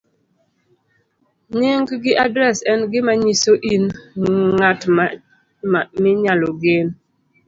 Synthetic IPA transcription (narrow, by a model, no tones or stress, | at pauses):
ɲɪŋɡɡɪʔadɾɛsɛnɡɪmaɲisoʔinŋatm | mɪɲalɔɡɪn